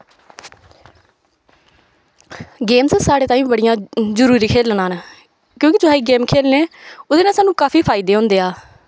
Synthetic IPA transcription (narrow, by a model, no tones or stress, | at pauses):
ɡeːmssaːɽeːt̪aːĩːbəɽɪjãːzəɾuːɾiːkʰeːlnãːnː | kjõːkɪt̪ʊaːiːɡeːmkʰeːlneːʊd̪eːnãːsaːnũːkaːpʰiːpʰaːɪd̪eːɦõːnd̪eːaː